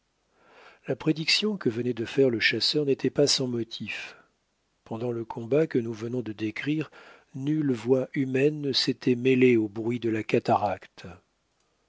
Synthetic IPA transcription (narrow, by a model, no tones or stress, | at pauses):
lapχed̪iksjɔ̃kəvənɛd̪əfɛʁləʃasœʁnet̪ɛpasɑ̃mɔt̪ʰif | pɑ̃d̪ɑ̃ləkʰɔ̃bakənuvənɔ̃d̪əd̪ekχiʁ | nylvwaʔymɛnːəset̪ɛmeleobʁɥid̪əlakat̪aʁakt̪